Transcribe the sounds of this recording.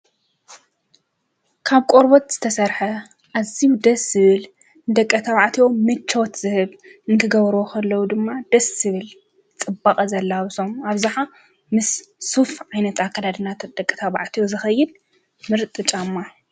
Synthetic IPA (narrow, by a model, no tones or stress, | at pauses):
kʰaβkʼoɾbot̪z̥ɨ̥t̪ʰɐsɐɾħɐ | ʔaziwud̪ɐsɨβɨl | nd̪ɐkʼːɐt̪ʰaβaʕt̪ʰijo̞mɨt͡ʃːot̪z̥ɨhɨβ | ɨnk̪ʰɨɡɐβɾokʰɐlːɐwud̪ɨmːad̪̥ɐsːɨβɨl | t͡sʼɨbakʼɐzɐlːaβɨsomaβzɨħa | mɨsːufʕajnɐt̪akʰːad̪ad̪ɨnat̪ʰd̪̥ɐkʼːɐ̥t̪ʰaβaʕt̪ʰijozɨxɐjːɪd̪ | mɨɾt̪ʼɨt͡ʃʼamːa